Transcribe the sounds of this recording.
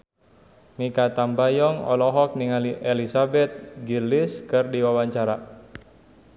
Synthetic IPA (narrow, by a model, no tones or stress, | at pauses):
mikat̪ambajɔŋɔ̰lɔɦɔk̚niŋaliʔelisabɛt̪̚ɡilɪskɨrdiwawaɲt͡ʃaɾa